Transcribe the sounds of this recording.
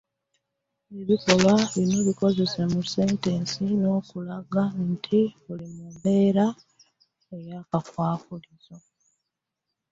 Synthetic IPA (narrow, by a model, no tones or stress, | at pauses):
eβiko̞βaβino̞βiko̞ze̞se̞muse̞ːnteːnsino̞ːkulaɡantʰiβulimube̞ːɾa | ejakakwaːfuliz̥o̞